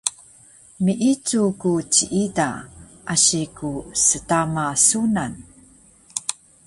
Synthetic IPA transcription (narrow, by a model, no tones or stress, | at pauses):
miʔit͡sukut͡ɕiʔidaʔaɕikusətamasunan